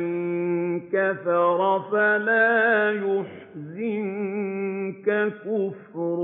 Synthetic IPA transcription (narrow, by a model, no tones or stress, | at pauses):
nkaθɑɾˤɑfalaːjʊħ | zɪn | kakʊfɾ